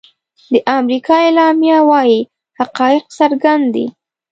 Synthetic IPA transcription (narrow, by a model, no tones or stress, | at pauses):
d̪əʔamɾikɑelɑmjawɑji | haqɑjɪqsaɾɡand̪d̪ḭ